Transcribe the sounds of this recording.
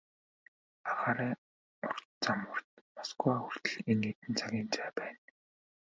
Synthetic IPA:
aʁaːɾæː | ʊrt̪t͡samə̆r̥t̪̚maskʊaxur̥t̪ɘ̆ɮeŋɡeːt̪ɘ̆nt͡sʰaɣʲiːnt͡sæːpæːn

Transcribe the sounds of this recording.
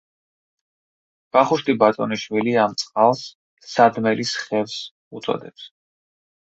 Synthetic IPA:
b̥aχuʃt̪ʼibat̪ʼɔ̰niʃwiliamt̪sʼqʼalˠsː | ad̪mɛlisχɛvs | ut̪sʼɔ̰d̪ɛps

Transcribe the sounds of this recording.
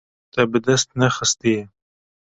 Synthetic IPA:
t̪abəd̪ast̪naxəst̪e

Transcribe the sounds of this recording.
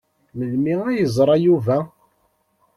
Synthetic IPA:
məlmiæjəzˤɾˤɑjuvæ

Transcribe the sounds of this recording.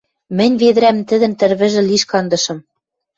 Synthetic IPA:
mɘ̆nʲβeðɘ̆ɾæmt̪ɘ̆ðɘ̆nt̪ɘ̆ɾβɘ̆ʒɘ̆liʃkɑnd̪ɤ̆ʃɤ̆m

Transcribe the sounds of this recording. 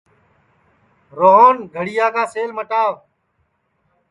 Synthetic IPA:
ɾoːɦoːnɡʱəɽijaːɡaːseːlməʈaːʋ

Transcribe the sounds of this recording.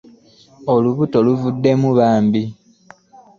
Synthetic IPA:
oluβuto̞luvudːe̞muβaːmbi

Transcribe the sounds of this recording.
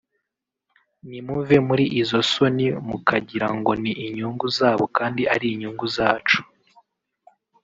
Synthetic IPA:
nimuve̞muɾiʔizo̞so̞nimukʰaɟiɾaŋɡo̞niʔiɲuːŋɡuzaːβo̞kaːndiʔaɾiːɲuːŋɡuzaːt͡ʃu̥

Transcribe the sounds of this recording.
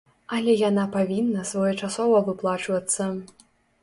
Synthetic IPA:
ɐlʲɛjanapavʲinːɐsvɔjɛt͡ʂasɔvɐvɨplˠat͡ʂvɐt̪sːɐ

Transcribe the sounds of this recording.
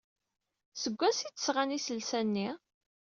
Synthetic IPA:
səɡʷːæsit͡sːə̥sʁanisəlsænːi

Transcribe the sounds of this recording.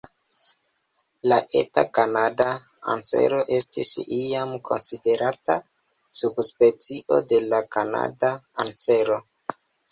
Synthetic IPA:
laʔe̞̰takanada | a̰nt͡se̞̰ɾo̞ʔe̞stḭsiamkʰo̞̰nside̞ɾata | subspe̞t͡siʔo̞de̞lakana̰daant͡se̞ɾo̞

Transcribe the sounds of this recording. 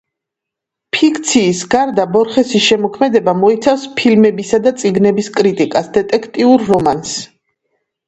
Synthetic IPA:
pʰikʰt̪sʰiːsɡaɾd̪abɔɾχɛsisʃɛmɔkʰmɛd̪ɛbamɔit̪sʰafspʰilmɛbisad̪at̪sʼiɡnɛbiskʼɾit̪ʼikʼasd̪ɛt̪ʼɛkʰt̪ʼiuɾːɔmans

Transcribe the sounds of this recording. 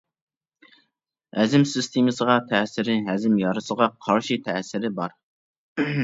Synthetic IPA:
hɛzɪmsɪst̪ʰemɨsəʁɑt̪ʰɛsɪɾɪɦæzɪmjɑɾɨsəʁɑqʰɑɾʃɪt̪ʰɛsɪɾɪbɑɾ

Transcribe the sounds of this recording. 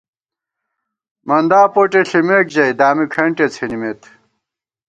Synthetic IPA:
mɐnd̪aːpoʈeɬimeːk̚d͡ʑɐjd̪aːmikʰɐɳʈet͡sʰenimet̪

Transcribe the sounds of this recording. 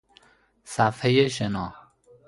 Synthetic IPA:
sæfhejeʃenɒː

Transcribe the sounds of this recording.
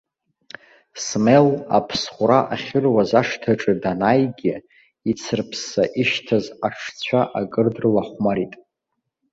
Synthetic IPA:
smela̰pʰsχʷʊɾaʔaχʲɪrwazaʂtʰaʈ͡ʂʼɨdanajɡʲɪ | it͡sʰɨrpʰsaʔiʃtʰazaʂt͡sʷʰaʔaɡʼɨrdrlaχʷmaɾitʼ

